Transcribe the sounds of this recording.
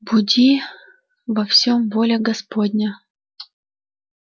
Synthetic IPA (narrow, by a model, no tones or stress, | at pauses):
budʲi | vɐfsʲomvolʲeɡɐspodʲnʲə